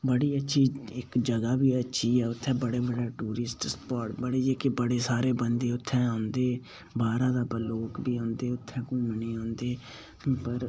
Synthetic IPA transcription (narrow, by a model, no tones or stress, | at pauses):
bəɽiːətːʃʰiːɪkd͡ʒəɡaːbiːətːʃʰiːɛːʊt̪ʰːɛ̃ːbəɽeːbəɽaːʈuːɾɪsʈspɔːɾʈbəɽeːd͡ʒeːkɪbəɽeːsaːɾeːbənd̪eːʊt̪ʰːɛ̃ːãːnd̪eː | baːɾãːd̪aːpəloːkbiːãːnd̪eːʊt̪ʰːɛ̃ːkũːməniːãːnd̪eː | pəɾ